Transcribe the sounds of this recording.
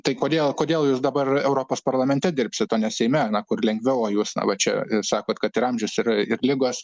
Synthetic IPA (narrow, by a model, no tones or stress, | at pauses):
t̪ɐɪkoːd̪ʲeːlˠkoːdʲeːlˠjuːsd̪ɐbɐrɛʊɾoːpoːspɐrlˠɐmʲɛnʲt̪ʲɛd̪ʲɪrʲpʲsʲɪt̪t̪oːnʲɛsʲɛɪmʲɛɐnɐkʊrlʲɛŋɡʲʋʲɛʊoːjuːsnɐ̰ʋɐt͡ʃʲɛ̰sɑːkoːt̪kɐt̪ɪɾɐmʲʒʲʊsɪrɪrlʲɪɡoːs